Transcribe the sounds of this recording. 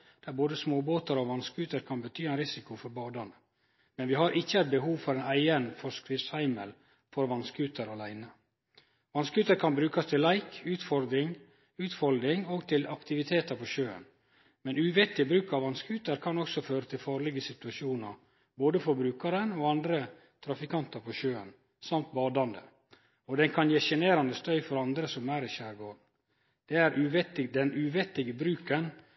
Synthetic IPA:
d̪̥æɾboːd̪əsmoːboːt̪əɾoʋɑnskʉːt̪əɾkʰɑnbət̪ʰyːæɪnɾɪsɪkʊfɔɾbɑːd̪ɑnə | mɛnʋɪhɑɾʔɪçːəæɪt̪̚bəɦuːʋfɔɾeːnæɪənfɔskɾɪfshæɪmə̰l | fɔɾʋɑnskʉːt̪əɾɑlæɪnə | ʋɑnskʉːt̪əɾkʰɑnbɾʉːkɑst̪ʰɪlːæɪkʉːt̪fɔɾd̪ɾɪŋ | ʉːt̪fɔld̪ɾɪŋoːɡt̪ʰɪlɑkt̪ɪʋɪt̪ʰeːt̪əɾpʰɔʃøːə̰n | mɛnʉːʋɪt̪ːɪbɾʉːkɑʋɑnskʉːt̪əɾkʰɑnɔksɔføːɾət̪ʰɪlfɑːɾɭɪɡəsɪt̪ʉɑʃuːnɑ̰ɾ | boːd̪əfɔɾbɾʉːkɑɾənoːɑnd̪ɾə | t̪ʰɾɑfɪkʰɑnt̪ɑɾpʰɔʃøːə̰n | sɑmt̪̚bɑːd̪ɑnd̪ə̰ | ɔd̪ɛnkʰɑnjeːʃɛneːɾɑnd̪əst̪œʏfɔɾɑnd̪ɾəsɔmæːɾɪʃæːɾɡoːɳ̩ | d̪̥ɛæɾʔʉːʋɛt̪ɪd̪ɛnʉʋɪt̪ːɪɡəbɾʉːkən

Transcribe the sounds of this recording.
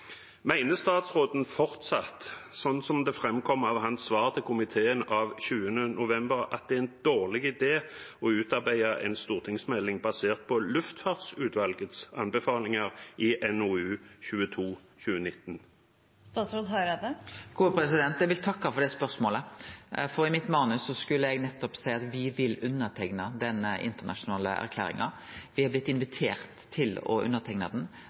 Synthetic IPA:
mæɪnəst̪ɑːt̪sʁoːd̪n̩fɔʁt̪sɑt̪sɔnsɔmd̪ɛfʁɛmkʰɔmːɑʋɦɑnsʋɑːʁt̪ʰəkʰʊmɪt̪ʰeːənɑʋɕʉːənənʔʊʋɛmbəʁɑt̪̚d̪ɛæɪnd̪oːʁlɪɡɪd̪eːɔʉːt̪ɑʁbæɪɑʔɛ̰nst̪uːʁt̪ʰɪŋsmɛlːɪŋbɑseːʁt̪̚pʰɔlʉft̪fɑːʁd̪sʉːt̪ʋɑlɡət̪sɑnbɛfɑːlɪŋɑʁʔɪʔɛnuʉːçʉːət̪ʰuː | çʉːənɪt̪ːn | st̪ɑːt̪sɾoːd̪ɦɑɾed̪əɡ̥uːpɾɛsɪd̪ɛnt̪ɛɡʋɪlt̪ʰɑkːɑfɔd̪ɛspœʁsmoːləfɔʁɪmɪt̪mɑːnʉsɔskʉlːəɛɡnɛt̪ːɔpsæɪɑt̪ʋɪʋɪlʉnːəʁt̪ʰɛŋnɑd̪ɛnɪ̰nt̪əʁnɑʂʊnɑːlə̰ʔæ̰ʁkʰlæ̰ːɾɪ̰ŋɑ̰ | ʋɪhɑblɪt̪ːɪnʋɪt̪ʰeːʁt̪ʰːɪlɔ̰ʔʉ̰nːəʁt̪ʰɛŋnɑd̪n

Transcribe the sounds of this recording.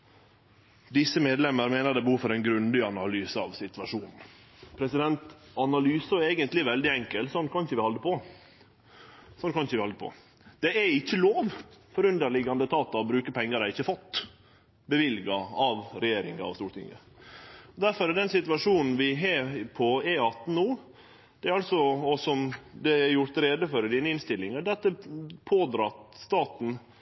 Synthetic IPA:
d̪ɪsːəmeːd̪lɛmːəɾmeːnəɾd̪ɛbəhuːfɔɾɛɪnɡɾʉnd̪ɪɑnɑlyːsəɑʋsɪt̪ʋɑʂuːnn̩ | pʰɾɛsɪd̪ɛnt̪ɑnɑlyːsɔɛːɡənt̪lɪʋɛld̪ɪɛŋkəlsɔnːkʰɑnçəʋɪhɑlːəpɔ | sɔnːkɑnçəʋɪhɑld̪əpʰɔ̰ | d̪̥ɛɛɪçːəloːʋfɔɾʉnd̪əɾɭɪɡɑnd̪ət̪ʰɑːt̪ːɑɔbɾʉːkəpʰɛŋːəɾæɪçːəfɔt̪ː | bəʋɪlɡɑɑʋɾɛjeːɾɪ̰ŋɑ̰ɑ̰st̪uːɾʈ̪ɪ̰ŋːə̰ | ɔd̪æɾfɔɾɛd̪ɛnsɪt̪ʉɑʂuːnn̩ʋɪɦeːpʰɔɛɑt̪ːn̩uː | d̪̥ɛæɾɑlsɔɔsɔmd̪ɛɛɾjʊɾt̪ɾeːd̪əfɔɾd̪iːnəɪnst̪ɪlːɪŋəɖ̪ɛɑt̪̚d̪ɛpʰoːd̪ɾɑt̪st̪ɑːt̪n̩

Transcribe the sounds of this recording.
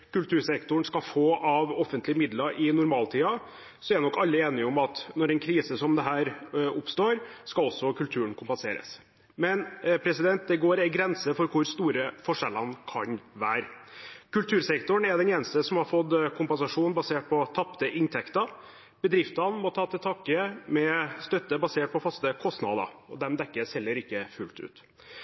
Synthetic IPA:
kʉlt̪ʰʉːɾsɛkt̪ʊɳskɑfoːʔɑʋɔfːənt̪lɪəmɪd̪lɑɾʔɪnʊɾmɑːlt̪ʰiːɑ | sɔæɾnɔkːɑlːəeːnɪɔmɑt̪nɔɾɛnkʰɾiːsəsɔmd̪ɛɦæːɾʊpst̪oːɾskɑlɔsːɔkʰʉlt̪ʰʉːəɳkʰʊmpɛnsḛːɾə̰s | mɛnpʰɾɛsɪd̪ɛnt̪̚d̪ɛɡoːɾɪɡɾɛnsəfɔɾkʰʊɾst̪uːɾəfɔʂɛlːɑnkʰɑɲʋæːɾkʉlt̪ʰʉːɾsɛkt̪ʊɳɛd̪ɛneːnəst̪əsɔmhɑɾfɔd̪kʰʊmpɛnsɑʂuːn̩bɑseːʈ̚pʰɔt̪ʰɑpt̪əʔɪnt̪ʰɛkt̪ɑ | b̥əd̪ɾɪft̪ɑnmɔt̪ʰɑːt̪ʰɪlt̪ʰɑːkəmɛst̪œt̪ːəbɑseːʈ̚pʰɔfɑst̪əkʰɔst̪nɑ̰d̪ɑ̰ɔd̪ɛmd̪ɛkːəsɛlːəɾɪkːəfʉ̰lt̪ʉ̰ːt̪

